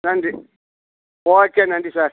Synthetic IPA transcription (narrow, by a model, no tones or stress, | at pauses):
nandi | wɔkʼɛnandʼisa